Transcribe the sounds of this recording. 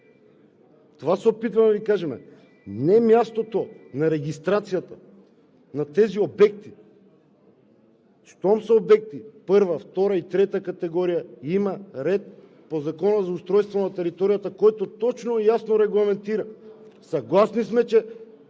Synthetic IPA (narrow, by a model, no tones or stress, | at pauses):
t̪ovasɛopit̪vamvikaʒɛmɛ̰ | nɛmjast̪ot̪onaɾɛɡʲist̪ɾat̪sijat̪a | nat̪ɛziobɛk̚t̪i | ʃt̪ɔmsaobɛk̚t̪ipɤɾvaft̪ɔɾait̪ɾɛt̪akat̪ɛɡɔɾijaimaɾɛt̪̚ | pozakɔnazaust̪ɾɔjst̪vonat̪ɛɾit̪oɾijat̪akɔjt̪ot̪ɔt͡ʃnojasnoɾɛɡlˠamɛnt̪iɾasaɡlˠasnismɛt͡ʃɛ